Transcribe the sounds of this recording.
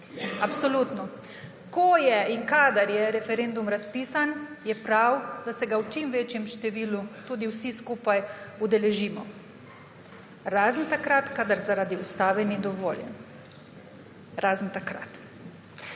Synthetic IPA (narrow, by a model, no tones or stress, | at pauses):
apsɔlut̪nɔ | kɔjɛiŋkaːd̪aɾjɛɾɛfɛɾend̪umɾaspiːsanjɛpɾawd̪asɛɡawt͡ʃimʋeːt͡ʃjɛmʃt̪ɛʋiːlut̪uːd̪iwsiskuːpajud̪ɛlɛʒiːmɔ̰ | ɾaːznt̪akɾat̪kaːd̪aɾzaɾaːd̪iust̪aːʋɛnid̪ɔʋoːljɛ̰n | ɾaːznt̪akɾa̰t̪